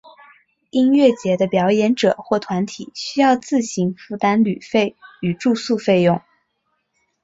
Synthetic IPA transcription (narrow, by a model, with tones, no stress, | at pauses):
i˥nɥɛ˥˩t͡ɕjɛ˧˥d̪ə˧pjɑ˧˥ʊjɛ˧˥nʈ͡ʂɤ̰˨˩xwɔ˥˩t̪ʰwa˧˥nt̪ʰḭ˨˩˦ɕy˥jɑ˥˧ʊt͡sɹ̩˥˩ɕi˧˥ŋfu˥˩t̪a˥nly˨˩fe˥˩ɪy˨˩ʈ͡ʂu˥˧su˥˧fe˥˧ɪjʊ˥˩ŋ